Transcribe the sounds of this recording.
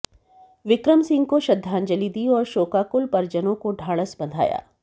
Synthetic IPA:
ʋɪkɾəmsɪ̃ŋɡ̚koʃɐd̪ʱːaːnd͡ʒɐlid̪iɔːɾʃoːkaːkʊlpɐɾd͡ʒənõkoɖʱaːɭəsbɐnd̪ʱa̰ːja̰ː

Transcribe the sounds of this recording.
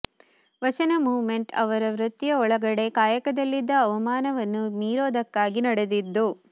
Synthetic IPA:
ʋɐt͡ʃɐnɐmuːʋme̞ɳʈɐ̰ʋɐɾɐʋɾɐt̪ːjɐɔɭɐɡɐɽe̞kaːjɐkɐd̪ɐlːid̪ːɐːʋɐmaːnɐʋɐnːumiːɾoːd̪ɐkːaːɡinɐɽed̪id̪ːu

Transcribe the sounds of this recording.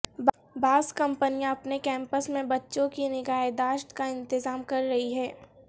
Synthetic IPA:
b | baːskɐ̃mpənijãɐpnekɛ̃ːmpəsmẽbɐtːʃõkinɪɡaːed̪aːʃʈ̪kaɪ̃nt̪ɪzaːmkɐɾːɐɦiɦɛː

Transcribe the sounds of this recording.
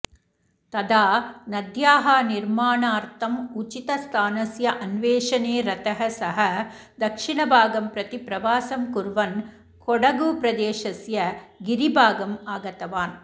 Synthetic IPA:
t̪ɐd̪ʱaːnɐd̪jaːɦɐniɾmaːɳaːɾt̪ʰɐmut͡ʃit̪ɐst̪ʰaːnɐsjɐʔɐnʋeːʃɐneːɾɐt̪ɐɦɐsɐɦɐ | d̪ɐkʂiɳɐbʱaːɡɐmpɾɐt̪ipɾɐʋaːsɐmkuɾʋɐn | kɔɽɐɡupɾɐd̪eːʃɐsjɐɡiɾibʱaːɡɐmaːɡɐt̪ɐʋaːn

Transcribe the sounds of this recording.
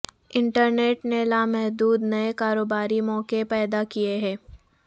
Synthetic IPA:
ɪ̃ɳʈəɾneːʈnelaːmɛɦd̪uːd̪nɐekaːɾoːbaːɾimɔːkepɛːd̪akijeɦɛ̃ː

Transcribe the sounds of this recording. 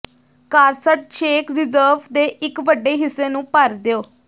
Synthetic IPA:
kaːɾsəʈ̚ʃeːkɾɪzəːɾʋd̪eːʔɪkʋəɖːeːɦɪsːeːnũːpəɾd̪eoː

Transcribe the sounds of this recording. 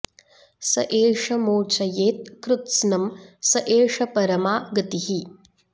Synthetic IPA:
sɐʔeːʂɐmoːt͡ʃɐjeːt̪̚kɾut̪snɐmsɐʔeːʂɐpɐɾɐmaːɡɐt̪ihi

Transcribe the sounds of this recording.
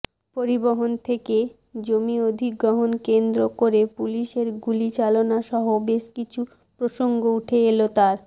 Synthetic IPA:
poɾiboɦont̪ʰeke | d͡ʑomiod̪ʱiɡɾoɦonkend̪ɾokoɾepuliʃeɾɡulit͡ɕalonaʃɔɦobeʃkit͡ɕʰu | pɾoʃoŋɡouʈʰeelot̪aɾ

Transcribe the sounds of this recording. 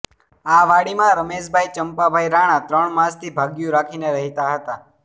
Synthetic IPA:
aʋaɽimãɾəmeʃbʱajt͡ʃəmpabʱaiɾaɽ̃ãt̪ɾəɳmãst̪ʰibʱaɡjũɾakʰineɾəɦit̪aɦət̪a

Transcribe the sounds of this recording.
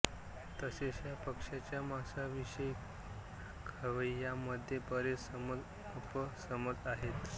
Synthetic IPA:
t̪əseɕjapəkʂat͡ɕjamasaʋiɕəj | kʰəʋəjaməd̪ʱjepəɾesəməd͡z | əpəsəməd͡zaɦet̪

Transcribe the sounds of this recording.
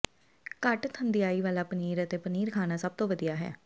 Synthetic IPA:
kəʈt̪ʰənd̪ɪjaːiːʋaːlaːpəniːɾət̪eːpəniːɾkʰaːnaːsəb̚t̪õːʋəd̪ijaːɦɛ̰ː

